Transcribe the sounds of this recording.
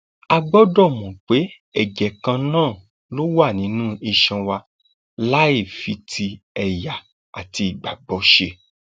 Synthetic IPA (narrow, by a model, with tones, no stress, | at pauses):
a˧ɡ͡bɔ˦dɔ˦˨mɔ̃˨k͡pe˨˦ | ɛ˦˨d͡ʒɛ˨kã˧nãː˦˨ | lo˦wa˦˨nĩ˨˦nũ˦i˧ʃɛ̃˧wa˧ | la˦i˦˨fi˨˧tʰi˧ɛ˧ja˨ | a˨ti˧i˨ɡ͡ba˨ɡ͡bɔ˨˦ʃe˧